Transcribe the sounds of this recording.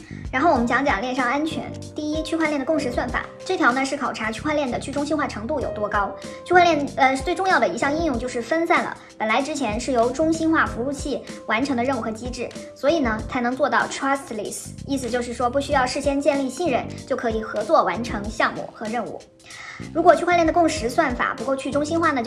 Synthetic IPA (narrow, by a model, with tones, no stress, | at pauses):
ɻa˧˥nxo˥˩ʊwɔ˨˩ə˦nt͡ɕɕjɑ˧˥ŋt͡ɕjɑ̰˨˩ŋljɛ˥˧nʂɑ˥˩ŋa˥nt͡ɕʰɥɛ̰˧˥nt̪i˥˩i˥t͡ɕʰy˥˧xwa˥˧lɛ˥˩nd̪ə˩kʊ˥˧ŋʂ̬ɻ̩˧˥swa˥˩nfa̰˨˩˦ʈ͡ʂɤ˥˩t̪ʰjɑ˧˥ʊnə˧ʂɻ̩˥˩kʰɑ˨˩ʊa˧˥t͡ɕʰy˥˧xwa˥˧nljɛ˥˩nd̪ə˩t͡ɕʰy˥˩ʈ͡ʂʊ˥ŋɕi˥nxwa˥˩ʈ͡ʂʰɤ˧˥ŋt̪u˥˩jo˨˩ʊt̪wɔ˥kɑ˥ʊt͡ɕʰy˥˧xwa˥˧nljɛ˥˧nə˧t͡swe˥˧ɪʈ͡ʂʊ˥˧ŋjɑ˥˩ʊə˩i˧˥ɕjɑ˥˧ŋi˥˧jʊ˥˧ŋt͡ɕjo˥˧ʊʂɻ̩˥˩fə˥nsa˥˩nlə̰˩ | pə˨˩nla˧˥ɪʈ͡ʂɻ̩˥t͡ɕʰjɛ˧˥nʂɻ̩˥˩jo˧˥ʊʈ͡ʂʊ˥ŋɕi˥nxwa˥˩fu˧˥u˥˧t͡ɕʰi˥˩wa˧˥nʈ͡ʂʰɤ˧˥ŋd̪ə˧ɻə˥˧nu˥˩xɤ˧˥t͡ɕi˥ʈ͡ʂɻ̩˥˩swɔ˧˥i˨˩nə˦t͡sʰa˧˥ɪnɤ˧˥ŋt͡swɔ˥˧t̪ɑ˥˩ʊʈ͡ʂʰɹa˥stli˥˩si˥˩sɹ̩˨˩t͡ɕjo˥˧ʊʂ̬ɻ̩˥˩ʂwɔ˥pu˥˩ɕy˥jɑ˥˧ʊʂɻ̩˥˩ɕjɛ˥nt͡ɕjɛ˥˧nli˥˧ɕi˥˧nɻə˥˧˩nt͡ɕjo˥˩ʊkʰɤ˧˥i˨˩xɤ˧˥t͡swɔ˥˩wa˧˥nʈ͡ʂʰɤ˧˥ŋɕjɑ˥˧ŋmṵ˥˩xɤ˧˥ɻə˥˧nṵ˥˩ | ɻu˧˥kwɔ˨˩t͡ɕʰy˥˧kwa˥˧lɛ˥˩nd̪ə˩kʊ˥˩ŋʂɻ̩˧˥swa˥˩nfa̰˨˩pu˧˥kwɔ˥˧ʊt͡ɕʰy˥˩ʈ͡ʂʊ˥ŋɕi˥nxwa˥˩nə˩